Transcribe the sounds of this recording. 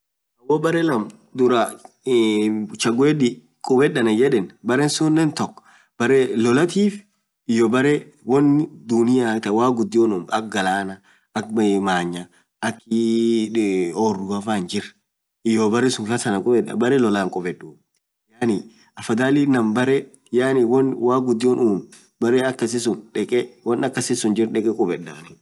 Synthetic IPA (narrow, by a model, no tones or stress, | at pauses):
ɐwɔbɐɾɛlɐm | d̪ʊɾa | t͡ʃɐɡweːɗi | kʼɔbɛɗɐnɐd͡ʒɛᶑɛnbɐɾɛnsʊnːɛnt̪ɔkː | b̥ɐɾɛlɔlɐt̪iːf | ɪjɔbɐɾɛ | wɔnːɪd̪ʊnɪjat̪ɐwaːɡʊd̪ːɪɔnʊmɐk̚ɡɐlaːnɐ | ɐkmaːɲːɐ | ʔɐkːɪ | ɔrʊɡɐfand͡ʒɪɾ | ɪjɔbɐɾɛsʊŋkɐsɐnɐkʼɔbɛᶑɐ̰bɐɾɛlɔlaːŋkʼɔbɛᶑuː | jaːnɪ | ɐfɐd̪aːlinɐmbɐɾɛ | jaːnɪwɐnwaːɡʊd̪ːɪjonuːm | bɐɾɛɐkːɐsɪsʊnᶑɛkʼɛwɐnɐkːɐsɪsʊnd͡ʒɪɾᶑɛkʼɛkʼɔbɛᶑa̰nɪ